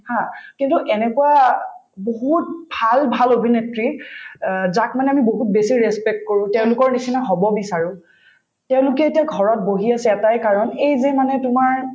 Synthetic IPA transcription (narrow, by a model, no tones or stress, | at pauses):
hãkintuʔɛnɛkuwa | boɦut̚bʱalbʱalobʱinetɹi | zak̚manɛamiboɦut̚besiɹɛspɛk̚t̚koɹũtɛʊ̃lʊkɔɹnisinaɦɔbɔbisaɹʊ̃ | tɛʊ̃lʊkɛetiaɡʱɔɹɔt̚boɦiasɛɛtajkaɹɔnejzemanɛtʊmaɹ